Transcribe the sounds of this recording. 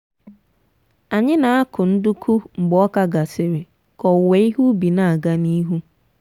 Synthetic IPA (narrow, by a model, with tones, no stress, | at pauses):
a˨ɲɪ̃˦nã˨˦a˦kʰʊ̃˨n̩˦dʊ˦kʰu˦m̩˨ɡ͡bɔ˦ɔ˦ka˦ɡa˨se˨ɾe˨ | kʰɔ˨we˨˦i˦hu˦bi˨nã˨a˨ɡa˦ni˦ɦu˦